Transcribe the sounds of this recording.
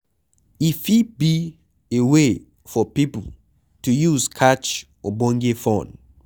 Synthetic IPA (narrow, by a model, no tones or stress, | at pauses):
ifibi | ewe | fɔpipə̰l̩ | tujuzkʰat͡ʃ | ɔbɔ̃ŋɡefɔ̃n